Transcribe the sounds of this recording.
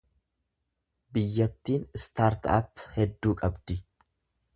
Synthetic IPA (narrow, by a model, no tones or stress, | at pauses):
bɪjːɐt̪ːiːnst̪aːɾt̪ɐ̰phɛd̪ːuːkʼɐbd̪ɪ